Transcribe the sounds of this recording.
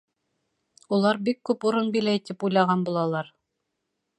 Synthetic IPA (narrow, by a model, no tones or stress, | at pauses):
ulˠɑɾbikːʉpuɾɤnbilæjt̪ipujlˠɑʁɑnbulˠɑlˠɑɾ